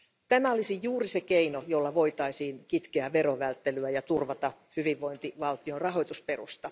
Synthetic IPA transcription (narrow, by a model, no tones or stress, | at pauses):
t̪æmæolisijjuːrisekeinojo̞lːɑʋo̞it̪ɑisiːnkit̪keæʋe̞ɾoʋælt̪ːelyæjɑt̪urʋɑt̪ɑhyʋiʋːo̞int̪iʋɑlt̪iorɑɦo̞jt̪usperust̪ɑ